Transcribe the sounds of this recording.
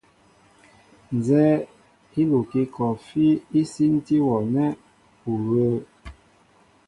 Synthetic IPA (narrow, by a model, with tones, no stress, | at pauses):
n˨zɛ˦ | i˦lu˨ki˦kɔ˨fi˦i˦si˦n˦ti˦wɔ˨nɛ˦ | u˨ɣə˦